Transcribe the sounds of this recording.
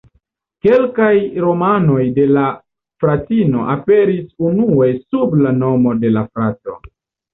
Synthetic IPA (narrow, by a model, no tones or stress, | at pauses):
ke̞lkajɾo̞mano̞jde̞la | fɾatino̞ʔape̞ɾisunue̞sublano̞mo̞de̞lafɾato̞̰